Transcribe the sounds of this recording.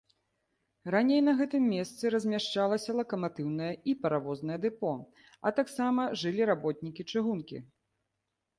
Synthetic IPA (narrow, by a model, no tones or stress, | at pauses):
ranʲejnɐɣɛt̪ɨmːʲest̪sɨɾɐzʲmʲaʂt͡ʂalˠɐsʲɐlˠɐkɐmat̪ɨwnɐjɐipɐɾavɔznɐjɛd̪ɨpɔ | ɐt̪aksamɐʐɨlʲiɾabɔt̪̚ʲnʲikʲit͡ʂɨɣunkʲḭ